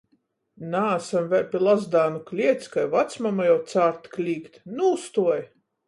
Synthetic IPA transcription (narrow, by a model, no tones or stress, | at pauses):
naːsamvʲɛɾʲpʲilˠazd̪aːnuklʲiɛt̪skajvat̪smamajawt̪saːɾt̪klʲiːkt̪nust̪uɔj